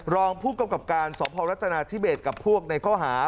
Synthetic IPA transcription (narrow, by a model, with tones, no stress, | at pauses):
ɾɔː˧ŋpʰuː˥˩ka˧mka˨˩p̚kaː˧nsɔː˩˦pʰɔː˧ɾa˦˥t̪ʰːa˧naː˧t̪ʰi˦˥˩beː˨˩t̪̚ka˨˩pʰːu˥˩ək̚na˧jkʰɔː˥˩ɦaː˩˦